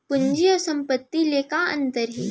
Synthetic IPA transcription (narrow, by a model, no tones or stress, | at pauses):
pʊnd͡ʒiɔːɾsɐ̃mpət̪ːileːkaɐ̰̃nt̪əɾɦiː